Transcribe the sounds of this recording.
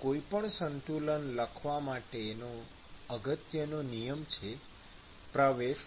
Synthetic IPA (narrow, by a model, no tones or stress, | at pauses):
koipəɳsənt̪ulənləkʰʋamaʈeːno | əɡət̪jənonijəmt͡ʃʰe | pɾəʋeʃ